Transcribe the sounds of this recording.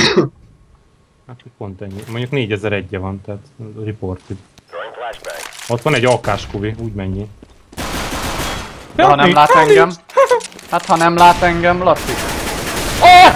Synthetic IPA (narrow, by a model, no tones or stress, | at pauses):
hat̪oc̚po̞nt̪ɛɲːimoɲɟukneːɟɛzɛɾɛɟːɛvɒnt̪ɛːt̪riport̪iɡ | ot̪ʋɒnɛɟɒkaːʃkuviuːɟmɛɲːi | hɒnɛlaːt̪ɛŋɡɛm | hat̪hɒnɛmlaːt̪ɛŋɡɛmlɒsik